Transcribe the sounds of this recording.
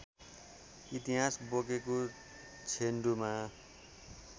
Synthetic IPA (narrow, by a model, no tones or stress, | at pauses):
it̪iɦasbokeko | t͡sʰenɖuma